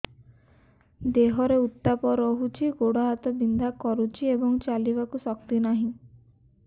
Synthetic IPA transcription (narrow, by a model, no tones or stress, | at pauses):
d̪eɦɔɾeut̪ːapɔɾɔɦut͡ʃʰiɡoɽaɦat̪ɔbind̪ʱakɔɾut͡ʃʰiebɔŋt͡ʃalibakusɔkt̪inaɦĩ